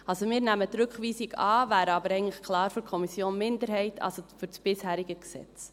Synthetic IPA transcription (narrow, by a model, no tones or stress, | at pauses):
ɑlsomɪːɾnæmət̪ɾɵkχʋiːsiɡɑːvæːɾəɑbəɾɛɡəŋ̩tləχkʰlɑːɾfʏɾkʰɔmisjoːnmɪndəɾhɛɪtʰɑ̰lsofʏɾsb̥ɪshæːɾiɡəksɛ̰t͡s